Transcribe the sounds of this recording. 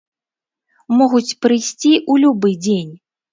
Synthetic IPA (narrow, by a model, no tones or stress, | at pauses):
mɔɣut͡sʲpɾɨjsʲt͡sʲiʔulʲubɨd͡zʲenʲ